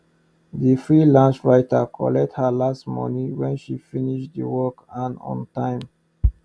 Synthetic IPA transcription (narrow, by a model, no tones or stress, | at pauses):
difɹilãnsɹaɪtəkʰɔ̰lɛk̚thəlastmɔ̰nĩwɛ̃nʃifiniʃtdəwɔkãnɔ̰̃ntãɪ̃m